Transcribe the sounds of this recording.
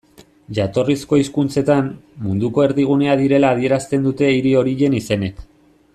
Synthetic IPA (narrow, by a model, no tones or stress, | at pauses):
ʝat̪o̞risko̞iskunt͡se̞t̪ammund̪uko̞e̞ɾðiɣ̞une̞aðiɾe̞laːð̞ie̞ɾast̪e̞nd̪ut̪e̞iɾio̞ɾiʎe̞nise̞ne̞k